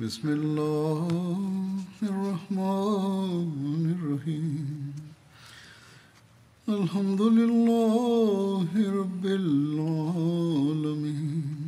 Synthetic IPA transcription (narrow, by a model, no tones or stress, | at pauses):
bɪsmɪlːa | hɐrːɑhma | nɪrːɐɦiːmm | ɐlhɐmd̪ʊlɪlːaː | ɦɪɾɐbːɪlalɐmiːn